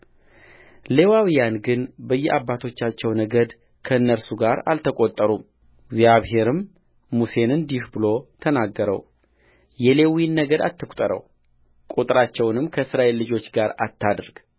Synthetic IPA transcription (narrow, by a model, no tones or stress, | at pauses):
le̞wawijanɡɨnbəjːɛʔabːat̪ʰo̞t͡ʃːat͡ʃːɛwnəɡəd̪ | kʰəɨnːəɾsuɡaɾa̰lt̪ʰəkʼot̪ʼːəɾu | ɪɡzjaβɦe̞ɾɨmː | use̞nɨnd̪ihbɨlo̞t̪ʰənaɡːəɾə̰w | jɛle̞winːəɡəd̪a̰t̪ʰːɨkʷʼt̪ʼəɾə̰w | kʼut̪ʼɨɾat͡ʃːɛwnɨmkʰəsɾaʔe̞lːɨd͡ʒo̞t͡ʃːɡaɾa̰t̪ʰːad̪ɾɡ̥